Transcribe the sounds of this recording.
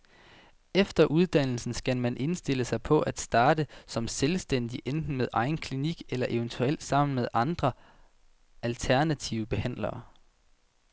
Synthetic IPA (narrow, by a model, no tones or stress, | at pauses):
efd̥ɐʔuð̞ˠd̥æn̰l̩sn̩sɡ̥æmænʔe̝nsd̥e̝ləsɑ̈ɪpʰɒ̽ʔæd̥sd̥ɑ̈ːd̥əsɒ̽mselsd̥en̰d̥iʔend̥n̩meðˠʔɑ̈ɪn̩kʰliniɡ̥elɐʔe̝ʊnt͡sʰuel̰̥sɑ̈m̰n̩með̞ˠʔɑ̈nd̥ʁɐ | ʔælt͡sʰæɐnæt͡sʰiʊəb̥e̝hæn̰lɐː